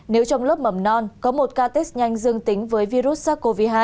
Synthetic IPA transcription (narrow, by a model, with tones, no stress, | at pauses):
ne˨˦wt͡ɕɔ˧wŋ͡mlə˦˥p̚mə˨˧˩mnɔ˧nkɔ˨˦mo˨˩t̚kaː˧t̪e˦˥s̚ɲa˧jŋ̟zɨ˧əŋt̪ï˨˦ŋ̟vəː˨˦jvi˧ɾu˦˥t̚saː˦˥ko˧vi˧ɦaː˧˩